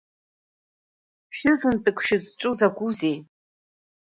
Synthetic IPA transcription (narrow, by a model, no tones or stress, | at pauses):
ʃɨzɨntʼɨkʷʰʃɪzt͡ʃʷʼuzaɡʷuzej